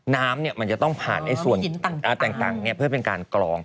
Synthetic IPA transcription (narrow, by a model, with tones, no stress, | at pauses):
naː˦˥mni˥˩ɐma˧nt͡ɕa˨˩t̪ɔ˥˩ŋpʰa̰ː˨˩nda˥˩su˨˩ə˩n˩˦˨ʔa˧˩t̪ɛː˨˩ŋt̪a̰ː˨˩ŋni˥˩ɐpʰɯ˥˩ɐpe˧nkaː˧nklɔː˧ŋ